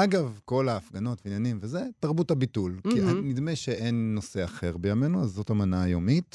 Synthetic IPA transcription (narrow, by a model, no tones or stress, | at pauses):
aɡavko̞laːfɡano̞tveinjanimveze̞taʁbutabitulkianidme̞ʃeʔenːo̞se̞aχe̞ʁbe̞jame̞nuazːo̞tamanaːjo̞mit